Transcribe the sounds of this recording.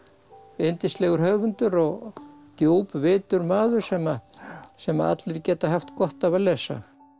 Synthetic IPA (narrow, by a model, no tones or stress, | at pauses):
ejnt̪ɪst̪lɛːɣʏɾɦœːvʏnt̪ʏɾɔɣt̪joːwpvɪːt̪ʏɾmaːðʏɾ̥sɛmasɛmaa̰t̪lɪɾcɛːt̪aɦaft̪kɔht̪avalɛːsːa̰